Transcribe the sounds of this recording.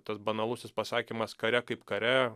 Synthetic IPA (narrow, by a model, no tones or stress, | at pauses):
t̪ɐsbɐnɐlˠʊsʲɪspɐsɑːkʲimɐskɐɾʲɛkɐɪpkɐɾʲɛ